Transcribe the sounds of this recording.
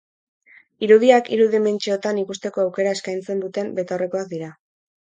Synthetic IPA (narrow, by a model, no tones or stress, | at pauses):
iɾuðiakḭɾuðiment͡ʃeot̪anikust̪e̞ko̞awke̞ɾae̞skajnt͡se̞nd̪ut̪e̞mbe̞t̪ore̞ko̞ak̚d̪iɾa